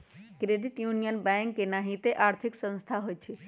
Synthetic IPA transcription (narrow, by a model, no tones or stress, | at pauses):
kɾeɖiʈjunijənbɛŋkːenaɦit̪eʔaɾt̪ʰiksə̃nst̪ʰaɦojt͡ʃʰi